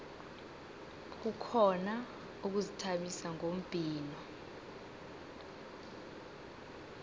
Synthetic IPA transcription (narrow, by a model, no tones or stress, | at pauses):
k̬ukʰɔna | uk̬uzitʰaɓisaŋom̩b̥ʱiːnɔ